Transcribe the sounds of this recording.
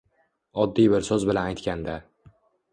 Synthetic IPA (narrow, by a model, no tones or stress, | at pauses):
ɒd̪ːijbɪɾsozbɪlanajt̪kʲand̪a